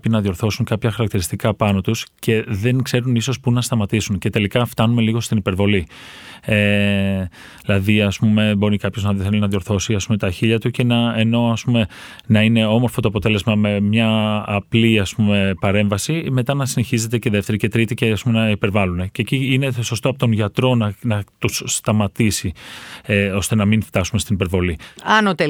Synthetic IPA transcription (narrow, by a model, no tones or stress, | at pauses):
pinɐðjo̞ɾθo̞sunkɐpçɐxɐɾɐkt̪iɾist̪ikɐpɐno̞t̪usce̞ðe̞ŋkse̞ɾuniso̞spunɐst̪ɐmɐt̪isunce̞t̪e̞likɐft̪ɐnume̞liɣo̞st̪inipe̞ɾvo̞li | e | ilɐðiɐspume̞bo̞ɾikɐpçoznɐelinɐðjo̞ɾθo̞siɐspume̞t̪ɐçiʎɐt̪uce̞nɐeno̞ɐspume̞ | nɐine̞o̞mo̞ɾfo̞t̪o̞ɐpo̞t̪e̞le̞zmɐme̞mɲɐːpliɐspume̞pɐɾe̞ɱvɐsime̞t̪ɐnɐsine̞çize̞t̪e̞ce̞ðe̞ft̪e̞ɾice̞t̪ɾit̪iceɐspume̞nɐipe̞ɾvɐlune̞ceciine̞so̞st̪oɐpot̪onʝɐt̪ɾo̞nɐnɐt̪usst̪ɐmɐt̪isieo̞st̪e̞nɐminft̪ɐsume̞st̪inipe̞ɾvo̞liɐnot̪e